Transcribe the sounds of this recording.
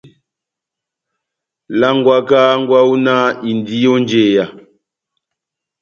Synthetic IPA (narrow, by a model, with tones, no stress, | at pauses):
la˦ŋɡwa˦kaː˦ŋ˦ɡwa˦u˦na˦i˨ndi˦jo˦nd͡ʒe˨ja˨